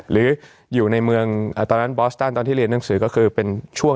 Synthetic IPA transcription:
ɾɯː˩˦ | juː˨˩na˧jmɯ˧əŋʔəː˨˩t̪ɔː˧nːa˦˥nbɔː˦˥st̪aː˥˩nt̪ɔː˧t̪ʰiː˥˩ɾi˧ənːa˩˦ŋsɯː˩˦kɔː˥˩kʰɯː˧pe˧nt͡ɕʰu˥˩əŋ

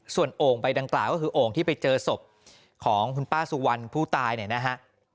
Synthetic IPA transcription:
su˨˩ənʔoː˨˩ŋpa˧jda˧ŋklaː˨˩wkɔː˥˩kʰɯː˧ʔoː˨˩ŋt̪ʰiː˥˩pa˧jt͡ɕɤː˧so˨˩p̚ | kʰɔː˩˦ŋkʰu˧npaː˥˩su˧wa˧npʰuː˥˩t̪aː˧jni˥˩na˦˥ɦʰa˦˥ʔ

